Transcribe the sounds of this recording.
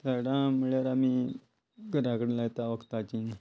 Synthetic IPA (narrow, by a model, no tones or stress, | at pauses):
t̪aɽãməɭjaɾami | ɡʱəɾakəɽelajt̪aʋəkt̪at͡ɕi